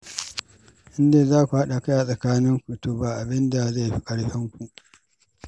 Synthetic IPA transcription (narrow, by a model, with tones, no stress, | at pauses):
ʔɪ˦ndeː˨zaː˦kʷu˨ha˦ɗa˨kɐ˦jaː˨sʼɐ˨kaː˦nɪ˦ŋkʷu˨toː˨baː˨ʔa˨bɪ˦nda˨za˦˨jɸi˦kʼɐ˦ɽɸɛ˦ŋkʷu˨ʔ